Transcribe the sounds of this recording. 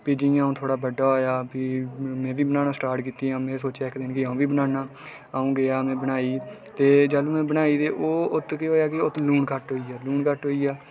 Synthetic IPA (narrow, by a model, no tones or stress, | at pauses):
piːd͡ʒɪãːũːt̪ʰoːɽaːbəɖaːɦoːjaːpiːmɛ̃ːʋiːbənaːnaːsʈaːɾʈkiːt̪iːɦãːmɛ̃ːsoːt͡ʃaːɪkd̪ɪnkɪãːũːʋiːbənaːnãː | aːũːɡɪjaːmɛ̃ːbənaːiːt̪eːd͡ʒaːluːmɛ̃ːbənaːiːt̪eːʔoːʊt̪ːkeɦoːjaːkɪot̪luːɳkəʈɦoːiːaːluːɳkəʈɦoːiːaː